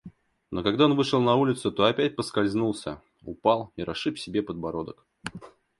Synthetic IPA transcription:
no̞kɐɡd̪ao̞nvɨʂɨlˠnɐulʲɪt̪sʊt̪o̞ɐpʲæt̚ʲpəskɐlʲzʲnulˠsʲə̰ | ʊ̰pɑlˠiɾɐʂɨpfsʲɪbʲe̞pəd̪̚bɐɾo̞d̪ək

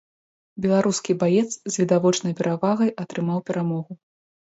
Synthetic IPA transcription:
bʲɛlˠaɾuskʲibajɛt̪szʲvʲid̪avɔt͡ʂnɐjpʲɛɾavaɣɐjʔɐt̪ɾɨmawpʲɛɾamɔɣu

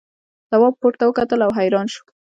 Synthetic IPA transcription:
z̥awɑb̚poʈt̪awəkat̪əlawɦajɾɑnʃu̥

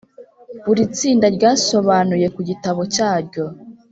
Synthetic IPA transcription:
βuɾit͡siːndaɾɟaːso̞βanuje̞kuɟitaβo̞caːɾɟo̞

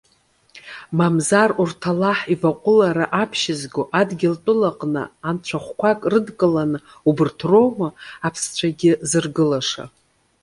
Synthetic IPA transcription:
mamzarurtʰalaħivaqʷʼʊlaɾaʔapʰʃɪzɡoʔadɡʲɪltʷʼʊlaqʼnɨ̰ant͡ʃʷʰaχʷkʷakʼrɨdkʼɨlanɨ | ubɨrtʰro̞mɨapʰst͡ɕʷʰaɡʲɪzɨrɡɨlaʂa̰

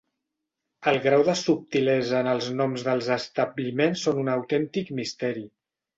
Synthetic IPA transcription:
əlˠɣɾawðəsup̚t̪ilɛzəːnəlˠznɔmzðəlˠzəst̪əblimensːonunəwt̪ɛnt̪ikmist̪ɛɾi

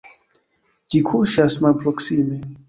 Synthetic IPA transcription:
d͡ʒikʰuʃasmalpɾoksime

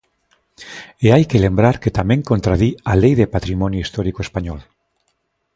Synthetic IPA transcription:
eajkelembɾaɾket̪amẽŋkont̪ɾaðialejðepat̪ɾimɔnjuist̪ɔɾikoespaɲɔl

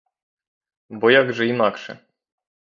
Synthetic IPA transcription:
bɔjaɡʐɛimakʂɛ̰

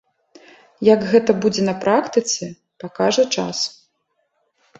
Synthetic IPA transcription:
jɐɡɣɛt̪ɐbud͡zʲɛnɐpɾakt̪ɨt̪sʲɛ | pakaʐɐt͡ʂa̰s

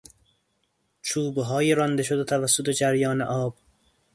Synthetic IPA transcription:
t͡ʃʰuːbɦɒːjeɾɒnd̪eʃod̪et̪ʰævæsːot̪ed͡ʒæɾjɒːneʔɒːb̥

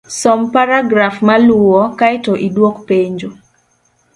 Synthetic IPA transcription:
sɔmpaɾaɡɾafmalʊɔkaɪtoʔidwokpeɲd͡ʒo

